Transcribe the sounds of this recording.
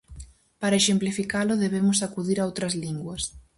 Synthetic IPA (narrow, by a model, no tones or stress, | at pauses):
paɾɐaeʃemplifikalʊðeβ̞emʊsakuðiɾaowt̪ɾɐzliŋɡwɐs